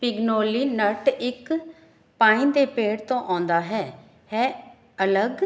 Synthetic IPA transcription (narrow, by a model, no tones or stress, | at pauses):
pɪɡnoːliːnəʈɪk | pãːĩːd̪eːpeːɽt̪õːʔãːnd̪aːɦɛː | hɛː | ələɡ